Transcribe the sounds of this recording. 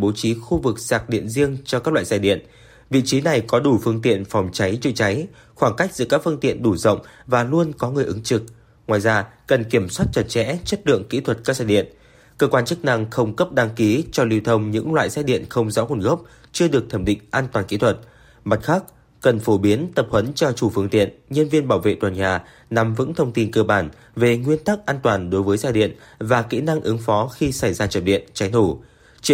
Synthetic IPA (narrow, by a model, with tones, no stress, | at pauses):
ɓo˨˦t͡ɕi˨˦xu˧vɨ˨˩k̚saː˨˩k̚ɗḭ˧˨ənzi˧əŋt͡ɕɔ˧kaː˦˥k̚la̰ː˧˨za˧˩ɗḭ˧˨ən | vḭ˧˨t͡ɕi˨˦na˨˩jkɔ˨˦ɗu˧˩fɨ˧əŋt̪ḭ˧˨ənfa˨˩wŋ͡mt͡ɕa˨˦jt͡ɕɨ˧t͡ɕa˨˦j | xwaː˧˩ŋka˦˥jk̟̚zɨ̰˧˨kaː˦˥k̚fɨ˧əŋt̪ḭ˧˨ənɗu˧˩zə̰˧˨wŋ͡mvaː˨˩lu˧ənkɔ˨˦ŋɨ˨˩əjʔɨ˨˦ŋt͡ɕɨ˨˩k̚ | ŋwaː˨˩jzaː˧kə˨˩nki˧˩əmswaː˦˥t̚t͡ɕə˨˩t̚t͡ɕɛ̰˧˥t͡ɕə˦˥t̚lɨ̰˧˨əŋkḭ˧˥t̪ʰwə˨˩t̚kaː˦˥k̚za˧˩ɗḭ˧˨ən | kəː˧kwaː˧nt͡ɕɨ˦˥k̚na˧ŋxə˧wŋ͡mkə˦˥p̚ɗa˧ŋki˨˦t͡ɕɔ˧li˧wt̪ʰə˧wŋ͡mɲɨ̰˧˥ŋlwa̰ː˧˨jsɛ̰˦˥ɗḭ˧˨ənxə˧wŋ͡mzɔ̰˧˥ku˧˩nɣə˦˥p̚ | t͡ɕɨ˧əɗɨ˨˩ək̚t̪ʰə˧˩mɗḭ˧˨ŋ̟ʔaː˧nt̪waː˨˩nkḭ˧˥t̪ʰwə˨˩t̚ | ma˨˩t̚xaː˦˥k̚ | kə˨˩nfo˧˩ɓi˨˦ənt̪ə˨˩p̚hwə˨˦nt͡ɕɔ˧t͡ɕu˧˩fɨ˧əŋt̪ḭ˧˨ənɲə˧nvi˧ənɓaː˧˩wvḛ˧˨t̪waː˨˩nɲaː˨˩ | na˨˩mvɨ̰˧˥ŋt̪ʰə˧wŋ͡mt̪i˧nkəː˧ɓaː˧˩n | ve˨˩ŋwi˧ənt̪a˦˥k̚ʔaː˧nt̪waː˨˩nɗo˨˦jvəː˨˦jzaː˧ɗḭ˧˨ənvaː˨˩kḭ˧˥na˧ŋʔɨ˨˦ŋfɔ˨˦xi˧sa˧˩jzaː˧t͡ɕə˨˩p̚ɗḭ˧˨ənt͡ɕa˨˦jt̪ʰu˧˩ | t͡ɕ